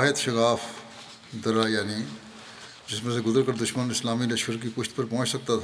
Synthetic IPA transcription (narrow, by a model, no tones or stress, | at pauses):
ɦət̪ʃɐkaːf | d̪ɐɾajaːni | d͡ʒɪsmẽs̬eɡʊzəɾkəɾd̪ʊʃmənɪslaːmilɐʃkəɾk̬ipʊʃt̪pɐɾpɔ̃ːt͡ʃsɐk̚t̪at̪ʰː